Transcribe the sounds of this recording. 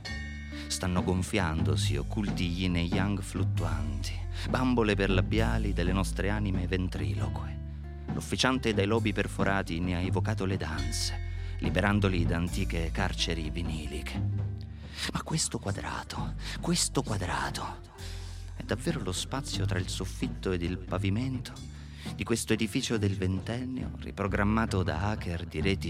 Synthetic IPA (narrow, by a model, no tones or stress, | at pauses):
st̪anːoɡoɱfjand̪osḭo̰kːult̪iʎinejʎːaŋɡflut̪ːuant̪i̥bamboleperlabːjaːlid̪elːenɔst̪ɾeaːnimevent̪ɾḭːlo̰kwe | lʔo̰fːit͡ʃant̪ed̪ajlɔːbiperfoɾʔaːt̪ineaevokaːt̪oled̪ant̪se̥lḭbeɾand̪olid̪aːnt̪iːkekart͡ʃeɾiviniːlikʰe̥ | makːwest̪okwad̪ɾa̰ːt̪o̥kwest̪okwad̪ɾa̰ːt̪o̥ | ɛd̪ːavːeːɾolospat̪sːjot̪ɾailsofːit̪ːoed̪ilpaviment̪ʰo̥ | d̪ikwest̪oed̪ifiːt͡ʃod̪elvent̪ɛnːḛo̰rḭpɾoɡɾamːaːt̪od̪a̰akerd̪iɾɛːt̪i